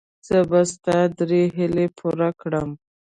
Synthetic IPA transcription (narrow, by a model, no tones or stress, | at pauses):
z̥əbast̪ɑd̪ɾeɦɪlepʰuɾakɽəm